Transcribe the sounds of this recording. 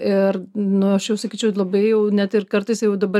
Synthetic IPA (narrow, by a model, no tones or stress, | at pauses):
ɪrnʊɐʃjɛʊsɐkʲiːt͡ʃʲɛʊlˠɐbɐɪjɛʊnʲɛt̪ɪrkɐɾt̪ɐɪsjɛʊd̪ɐbɐ